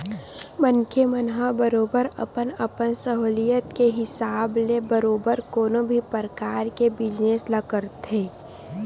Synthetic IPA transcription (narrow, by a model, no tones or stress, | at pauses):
mənkʰemənɦəbəɾoːbəɾə̰pənəpənsəɦoːlijət̪keɦɪsaːblebəɾoːbəɾkoːnõbʱipəɾəkaːɾkebɪd͡ʒneːsləkəɾt̪eː